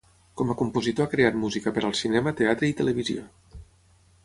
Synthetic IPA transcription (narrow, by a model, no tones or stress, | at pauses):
kɔməkumpuzit̪oakɾeat̪̚muzikəpəɾəlˠsinɛmət̪eat̪ɾəit̪ələβizio̰